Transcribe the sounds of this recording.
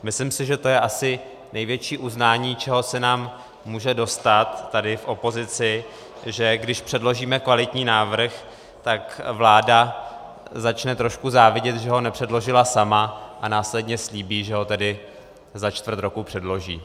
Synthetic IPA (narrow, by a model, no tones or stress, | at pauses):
mɪslɪmsɪʒɛt̪o̞jɛʔasɪ | nɛjvjɛt͡ʃiːʔuznaːɲiːt͡ʃɛɦo̞sɛnaːmː | uːʒɛdo̞st̪at̪ːadɪfʔo̞po̞zɪt͡sɪ | ʒɛɡdɪʃpr̥ɛdlo̞ʒiːmɛkvalɪt̪ɲiːnaːvr̩x | t̪akvlaːda | zat͡ʃnɛt̪ɾo̞ʃkuzaːvɪɟɛt̪ʒɛɦo̞nɛpr̥ɛdlo̞ʒɪlasamaʔanaːslɛdɲɛsliːbiːʒɛɦo̞t̪ɛdɪ | zat͡ʃt̪vr̩t̪ɾo̞kupr̝̥ɛdlo̞ʒḭː